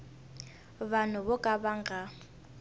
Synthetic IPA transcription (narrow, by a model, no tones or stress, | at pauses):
βan̤ʊβɔkʼaβaŋɡʱa